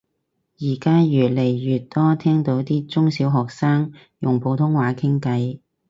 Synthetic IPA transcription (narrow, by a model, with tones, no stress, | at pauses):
jiː˨˩kaː˥jyː˨t̚le˨˩jɥyː˨t̚t̪ːɔː˥t̪ʰɛː˥ŋt̪o˨˧˥wt̪iː˥t͡sʊ˥ŋsiː˨˥wɦɔː˨k̚saː˥ŋ | jʊ˨˩ŋpʰo˨˧wt̪ʰʊ˥ŋwaː˨˧˥kʰɪ˥ŋkɐ˨˧j